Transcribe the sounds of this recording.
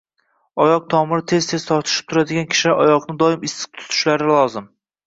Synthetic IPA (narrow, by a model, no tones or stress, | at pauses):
ɒjɒq̚t̪ʰɒmɪɾɪt̪ʰe̞zt̪ʰe̞zt̪ʰɒɾt̪ʰɪ̥ʃɪ̥p̚t̪ʰʊɾad̪ɪɡʲankʲʰɪ̥ʃɪlaʔɒjɒqnɪd̪ɒɪmɪsɪ̥qt̪ʰʊ̥t̪ʰʊ̥ʃlaɾɪlˠɒzɪm